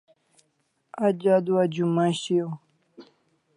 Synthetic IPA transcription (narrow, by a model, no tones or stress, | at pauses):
ad͡ʑad̪uad͡ʑumãɕio